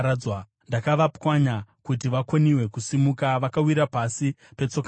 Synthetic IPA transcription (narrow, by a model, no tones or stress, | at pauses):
awa | ndakaʋapwaɲakut̬iʋakoniwe̞kusimukaʋakawiɾapasipe̞t͡so̞ka